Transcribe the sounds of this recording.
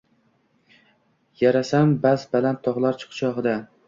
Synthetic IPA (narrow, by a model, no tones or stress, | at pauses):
jaɾasambazbalant̪ʰːɒʁlˠaɾt͡ʃʰɨ̥qt͡ʃʰɒʁɨd̪a